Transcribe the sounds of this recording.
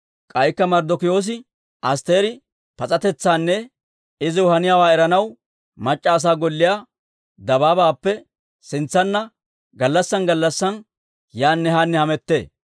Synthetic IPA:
kʼɐjkːɐmɐɾd̪ɔkɪjo̞ːs̬ɪ | ɐs̬t̪e̞ːɾɪ | pɐt͡sʼɐt̪ɛt͡sːaːnːɛ | ɪzɪʊhɐnɪjaːwaːɛɾɐnɐw | mɐt͡ʃʼːaːs̬aːɡɔlːɪjaː | d̪ɐbaːbaːpːɛ | sɪnt͡sːɐnːɐ | ɡɐlːɐsːɐnɡɐlːɐsːɐn | jaːnːɛhanːɛhɐmɛt̪ːe̞̰ː

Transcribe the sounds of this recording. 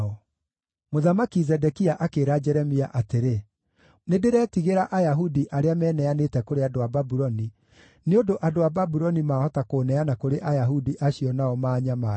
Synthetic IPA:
ɔ | moðamakizɛdɛkiaʔakeɾad͡ʒɛɾɛmiaʔateɾe | nedeɾɛtiɣeɾaʔajaɦudiʔaɾeamɛːnɛanetɛkoɾeadoababuɾɔni | neodoʔadoababuɾɔnimaːhɔtakoːnɛanakoɾeʔajaɦudiʔaɕiɔnaɔmaːɲama

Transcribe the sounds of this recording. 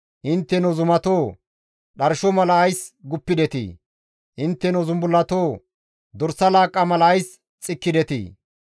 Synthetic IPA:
ʔɪnt̪ːɛnɔzʊmɐt̪oː | ɗɐɾʃɔmɐlɐɐjsɡʊpːɪd̪ɛt̪ḭː | ʔɪnt̪ːɛnɔzʊmbʊlːɐt̪oː | d̪ɔɾsːɐlaːkʼːɐmɐlɐːjs | t͡sʼɪkːɪd̪ɛt̪ḭː

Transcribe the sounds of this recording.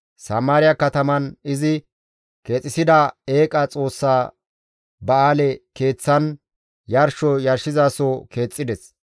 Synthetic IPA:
sɐmaːɾɪjɐkɐt̪ɐmɐnɪzɪ | keːt͡sʼɪsɪd̪ɐe̞ːkʼɐt͡sʼo̞ːsːaː | bɐaːlɛke̞ːt͡sːɐn | jɐɾʃɔjɐɾʃɪzaːsɔke̞ːt͡sʼːɪd̪ɛs

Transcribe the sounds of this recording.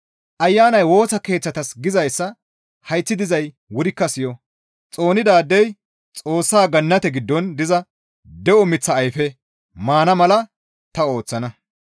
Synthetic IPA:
ʔɐjːaːnɐjwo̞ːsɐke̞ːt͡sːɐt̪ɐsɡɪzɐjsːɐ | hɐjt͡sːɪd̪ɪzɐj | wʊɾɪkːɐsɪjɔ | t͡sʼo̞ːnɪd̪aːd̪ːɛj | t͡sʼo̞ːsːaːɡɐnːɐt̪ɛɡɪd̪ːɔnd̪ɪzɐ | d̪ɛʔɔmɪt͡sːɐːjfɛ | maːnɐmɐlɐ | t̪ɐo̞ːt͡sːɐnɐ

